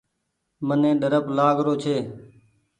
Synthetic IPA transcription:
mənẽːɖəɾəplaːɡɾoːt͡ʃʰeː

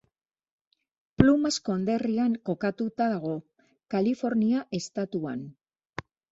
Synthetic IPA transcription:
plumasko̞nd̪e̞riaŋko̞kat̪ut̪aðaɣ̞o̞ | kalifo̞ɾniaʔe̞st̪at̪ua̰n

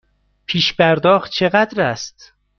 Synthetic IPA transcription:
pʰiːʃbæɾd̪ɒːxt̪̚t͡ʃʰeɣæd̪ɾæst̪

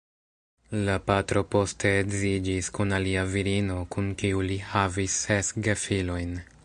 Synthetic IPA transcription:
lapatɾo̞po̞stʰe̞ːɡzid͡ʒiskunaliaviɾino̞kunkiulihavisːesɡe̞filo̞jn

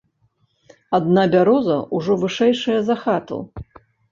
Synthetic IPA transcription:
ad̪nabʲaɾɔzɐʔuʐɔvɨʂɛjʂɐjɐzaxat̪ṵ

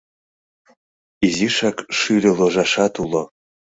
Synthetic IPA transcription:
iziʃɑkʃylʲeloʒɑʃɑt̪ulo

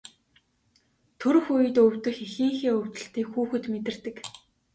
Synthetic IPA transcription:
t̪ʰɵɾɵ̆xujɘ̆t̪ɵwʲt̪ɘ̆xexĭːŋxiːɵw̥ʲt̪ɵ̆ɬt̪iːkxuːxɘ̆t̪met̪ɪ̆r̥t̪ɘ̆k

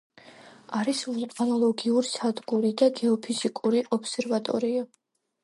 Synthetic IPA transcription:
aɾisvulˠkʼɔnɔlˠɔɡiuɾisad̪ɡuɾid̪aɡɛɔpʰiz̥ikʼuɾiʔɔpsɛɾvat̪ʼɔ̰ɾia

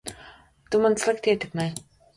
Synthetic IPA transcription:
t̪ʊmə̆nt͡sɮə̆k̚t̪ʰeːt̪ɘ̆kme

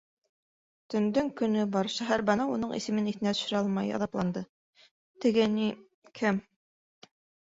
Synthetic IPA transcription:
t̪ɵ̆nd̪ɵŋkɵ̆nɵbɑɾʃæɦæɾbænɑunɤɴḭsɘ̆mɘniθɘ̆næt̪ɵ̥̆ʃɵ̆ɾæɑlˠmɑjɑ̰ðɑplˠɑnd̪ɤ | t̪ɘ̆ɡɘni | kʰɘm

